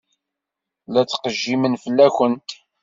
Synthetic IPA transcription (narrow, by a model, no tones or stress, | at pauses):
læt͡sːqəʒːimənfəlːæçənt̪